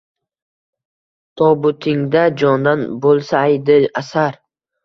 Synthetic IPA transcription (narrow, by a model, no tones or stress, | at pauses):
t̪ʰɒbʊt̪ʰɪŋd̪ad͡ʒɒnd̪anbolˠsaːjd̪ɪasaɾ